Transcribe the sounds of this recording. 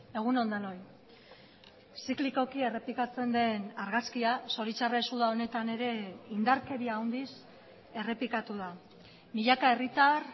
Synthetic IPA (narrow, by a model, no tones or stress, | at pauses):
e̞ɣ̞uno̞nd̪ano̞j | sikliko̞kie̞re̞plikat͡se̞nd̪e̞naɾɣaskiaso̞ɾit͡ʃaresuðao̞ne̞t̪ane̞ɾe̞ind̪aɾke̞ɾiaːwnd̪is | e̞re̞pikat̪uða | miʎakae̞rit̪ar